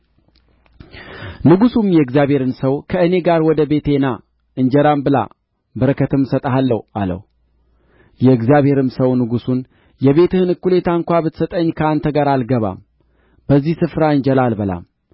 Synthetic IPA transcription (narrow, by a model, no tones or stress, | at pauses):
nɨɡusumjɛɨɡzijaβhe̞ɾɨnsəwkʰəɨne̞ɡaɾwɔd̪əbe̞t̪e̞na | ʔɨnd͡ʒɛɾambɨla̰ | bəɾəkʰət̪ɨmsət̪ʼaɦalːəwa̰lə̰w | jɛɨɡzijaβhe̞ɾɨmsəwnɨɡusun | jɛβe̞t̪ʰɨhɨnɨkːule̞t̪ʰaɨŋkʷabɨt̪sət̪ʼəɲːkʰəant̪ʰəɡaɾalɡəβa̰m | bəzːihsɨfɾaɨnd͡ʒɛlalbəla̰m